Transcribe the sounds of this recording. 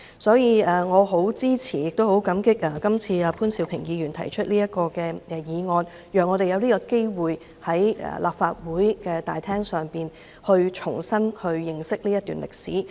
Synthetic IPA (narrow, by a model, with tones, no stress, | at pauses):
sɔː˨˥jiː˨˧aː˨˩ŋɔː˨˧ɦo˨˥wt͡siː˥t͡sʰiː˨˩jɪ˨k̚t̪o˥who˨˥wkɐ˨˥mkɪ˥k̚aː˨˩kɐ˥mt͡sʰiː˧aː˨˩pʰuː˥nsi˨˧wpʰɪ˨˩ŋjiː˨˧jyː˨˩nt̪ʰɐ˨˩jt͡ʃʰɵ˥t̚liː˥jɐ˥t̚kɔː˧kɛː˧ɛ˧jiː˨˧ŋɔː˧n | jœː˨˩ŋːɔː˨˧ɾe˨jɐ˨˧wnliː˥kɔː˧ke˥jwuː˨j | hɐ˨˥jɛ̰˨lʔa̰ː˨p̚faː˧t̚wuː˨˥jkɛ˧t̪a̰ː˨jt̪ʰɛː˥ŋsœː˨ŋpiː˨n | hɵ˧ɥt͡ʃʰʊ̰˨˩ŋsɐ˥nhɵ˧ɥːɪ˨˧ŋsɪ˥k̚liː˥jɐ˥t̪ːyː˨˩nlʔɪ̰˨k̚sḭː˨˥